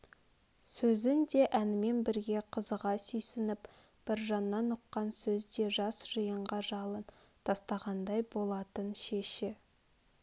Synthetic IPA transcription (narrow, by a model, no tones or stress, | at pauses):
sɵzɪnd̪e̞ʔænɪme̞nbɪɾɡʲe̞qʰəzəʁɑsʏjsɪnɪp | b̥ɪɾʒɑnːɑnʊqːɑnsɵzd̪e̞ʒɑsʒ̥əjəɴʁɑʒɑlˠənt̪ʰɑst̪ɑʁɑnd̪ɑjbo̞lˠɑt̪ənʃe̞ʃɪ